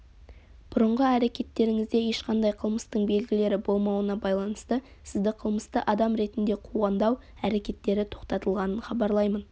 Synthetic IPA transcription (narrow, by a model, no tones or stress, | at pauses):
b̥ʊɾəɴʁəæɾe̞kʲe̞t̪ːe̞ɾɪŋɪzd̪e̞je̞ʃqɑnd̪ɑjqʰəlˠməst̪əɴbe̞lɡʲɪle̞ɾɪbo̞lˠmɑwənɑbɑjlˠɑnəst̪ə | sɪzd̪ɪqʰəlˠməst̪əʔɑd̪ɑmɾe̞t̪ɪnd̪e̞qʰuʁɑnd̪ɑw | æɾe̞kʲe̞t̪ːe̞ɾɪt̪ʰo̞qt̪ɑt̪əlˠʁɑnənχɑbɑɾlˠɑjmən